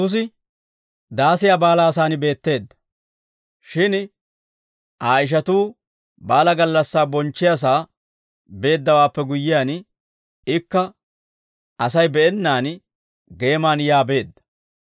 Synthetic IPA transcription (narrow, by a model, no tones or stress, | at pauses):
ʊs̬ɪ | d̪aːsɪjaːbaːlaːs̬aːnɪbe̞ːt̪ːe̞ːd̪ːɐ̥ | ʃɪn | aːɪʃ̬ɐt̪uː | baːlɐɡɐlːɐsːaːbɔnt͡ʃːɪjas̬aː | be̞ːd̪ːɐwaːpːɛɡʊjːɪjaːn | ɪkːɐ | ɐsɐjbɛʔɛnːaːn | ɡe̞ːmaːnjaːbe̞ːd̪ːɐ̥